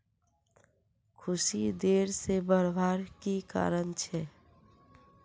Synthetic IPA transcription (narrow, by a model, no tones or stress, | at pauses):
kʰʊsid̪eːɾsebəɾbʱaːɾkika̰ːɾənt͡ʃʰɛ